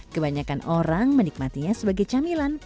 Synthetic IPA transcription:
kəbaɲakanoɾaŋmənik̚mat̪iɲasəbaɡajt͡ʃamilan

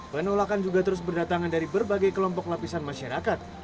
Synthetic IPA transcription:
pənolakand͡ʒuɡat̪əɾʊs̬bərdat̪aŋandaɾibərbaɡajkəlɔmpɔklapisanmaʃaɾakat̪̚

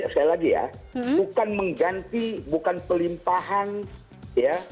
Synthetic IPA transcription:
skajalaɡija̰bukanməŋɡant̪ibukanpəlimpaɦan | ja

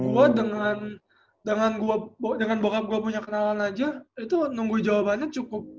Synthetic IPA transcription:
ɡuadəŋan | dəŋanɡuabodəŋanbokap̚ɡuapuɲakənalanad͡ʒait̪unuŋɡuid͡ʒawabanɲat͡ʃukʊp̚

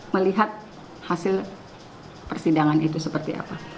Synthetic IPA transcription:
məliɦat̪̚ | hasɪl | pərsidaŋanit̪usəpərt̪ia̰pa

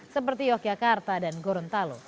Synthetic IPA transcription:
səpərt̪ijɔk̚d͡ʒakart̪adanɡoɾɔnt̪alo

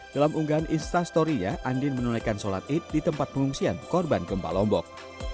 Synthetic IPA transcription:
d̥alamʔuŋɡaaninst̪ast̪ɔɾiɲaʔandɪnmənulajkansola̰t̪̚ɪt̪̚dit̪əmpat̪̚pəŋuŋsiankɔrbanɡəmpa̰lɔmbɔk̚

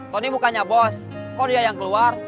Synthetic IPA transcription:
t̪ɔnibukaɲabɔs | kɔdiajaŋkəluar

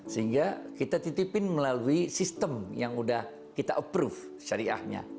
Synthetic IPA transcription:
səɦiŋɡakit̪at̪it̪ipɪnməlaluisist̪əmjaŋudah | kit̪aʔəpɾuf | ʃaɾiʔa̰hɲa̰

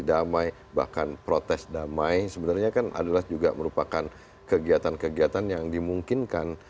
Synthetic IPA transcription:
damaj | ba̰hkanpɾot̪ɛsdamajsəbənarɲakana̰dalahd͡ʒuɡaməɾupakan | kəɡiat̪ankəɡiat̪anjaŋdimuŋkɪnkan

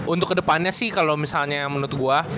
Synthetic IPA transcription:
ʔunt̪ʊkːədəpanɲasɪhkalomisalɲajaŋmənʊt̪̚ɡua

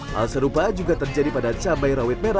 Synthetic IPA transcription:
ha̰lsəɾupad͡ʒuɡat̪ərd͡ʒadipadat̪sabajɾawɪt̪̚meɾa

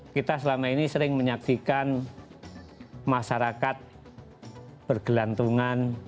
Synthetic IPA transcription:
kit̪asəlamainisəɾɪŋməɲaksikan | maʃaɾakat̪̚ | b̥ərɡ̥əlant̪uŋan

